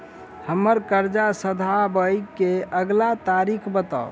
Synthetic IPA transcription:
həməɾkəɾd͡ʒasəd̪ʱabəjkeəɡlat̪aɾikʰbət̪a̰

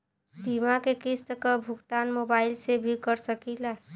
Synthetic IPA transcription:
b̪imakekist̪əkəbʱukt̪anmobailsebʱikəɾsəkila

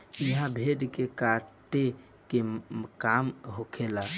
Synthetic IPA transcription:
iɦãbʱeɖkekaʈe | kekamɦokʰela

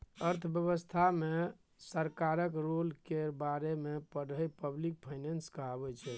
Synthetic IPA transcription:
əɾt̪ʰəbjəbəst̪ʰame | səɾkaɾəkɾolkebaɾemepəɽəjpəblik̚pʰajnenskəɦabɛt͡ʃʰɛ

